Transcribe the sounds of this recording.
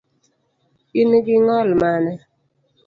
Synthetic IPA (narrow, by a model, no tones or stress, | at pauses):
iniɡiŋɔlmanɛ